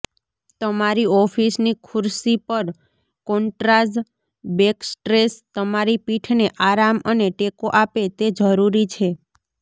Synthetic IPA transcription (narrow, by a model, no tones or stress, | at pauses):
t̪əmaɾiɔfʰisnikʰuɾsipəɾ | kɔɳʈɾaz | beksʈɾest̪əmaɾipiʈʰneʔaɾaməneʈekoʔapet̪ed͡ʒəɾuɾit͡ʃʰe